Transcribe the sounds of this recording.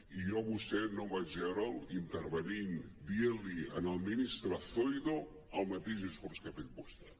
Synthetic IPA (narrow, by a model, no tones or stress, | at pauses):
ijɔβust̪ɛnombad͡ʒɛɾəlint̪əɾβənind̪ieliənəlˠminist̪ɾəθojðo | əlˠmat̪eʒuskɔɾskəfet̪̚bɔst̪ə